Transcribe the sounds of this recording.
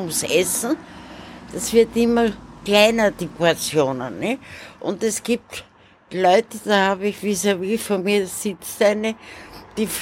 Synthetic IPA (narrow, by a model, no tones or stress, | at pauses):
ʊmsʔɛsn̩ | d̥asv̥ɪɐtɪmɐklaɪnɐd̥ipʊat͡sjoːnənnɛçʔʊntɛsɡ̥iːp̚t | lɔʏtəd̥ahaːbɪçviːzoviːfoːɐmiːɐsɪt͡stɛɪnəd̥iːf